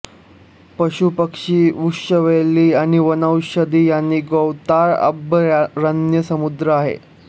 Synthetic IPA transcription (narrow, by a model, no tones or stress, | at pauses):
pəɕupəkʂiːʋukʂəʋeliːaɽ̃iʋənawɕəd̪iːjanːiːɡowt̪aɾə̰bəɾənjəsəmud̪ɾəaɦḛ